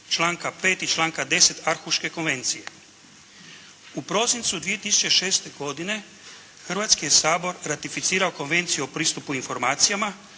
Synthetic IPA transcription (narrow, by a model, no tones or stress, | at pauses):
t͡ʃlˠaːŋkapeːt̪it͡ʃlˠaːŋkad̪e̞set̪aɾxuʃke̞ko̞nʋe̞nt̪sije̞ | upɾo̞sint̪sud̪ʋije̞t̪isu̥t͡ʃe̞ʃe̞ːst̪e̞ɡo̞d̪ine̞ | xr̩ʋat̪skijesaːbo̞ɾɾat̪ifit̪siːɾaoko̞nʋe̞nt̪sijuopɾiːst̪upuinfo̞ɾmaːt̪sijama